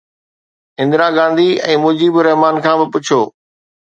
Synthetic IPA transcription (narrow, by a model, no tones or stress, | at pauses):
ɪ̃nd̪ɪɾaɡãːnd̪iɛ̰̃ːmʊd͡ʑiːbɪɾɐɦmaːnkʰãːbɪpʊt͡ɕʰoː